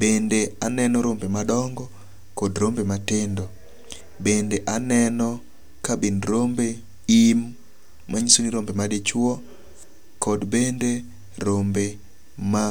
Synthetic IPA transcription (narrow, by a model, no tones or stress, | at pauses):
bendeanɛnɔɾombemadɔŋɡɔ | kodɾombematɪndɔ | bendeʔanɛnɔ | kabinɾombe | imː | aɲisoniɾombemadet͡ʃwɔ | kɔdbende | ɾombe | ma